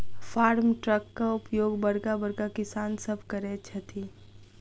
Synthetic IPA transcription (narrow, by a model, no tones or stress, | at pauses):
faːɾmʈɾəkːaʊpjoːɡbɐɽkabəɽkakɪsaːnsəbʱkəɾɛt͡ʃʰɐt̪ʰiː